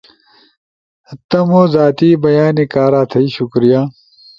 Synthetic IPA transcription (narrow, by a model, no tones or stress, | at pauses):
ɐt̪ːɐmoːzaːt̪iːbɐjaːnikaːɾaːt̪ʰɐiɕukɾijaː